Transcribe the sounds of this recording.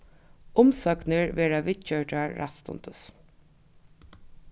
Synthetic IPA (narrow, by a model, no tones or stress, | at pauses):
ʊmsœknəɹʋeːɹaʋɪt̪t͡ʃœɹʈaɹːa̰t̪st̪ʊ̰nt̪ʰəs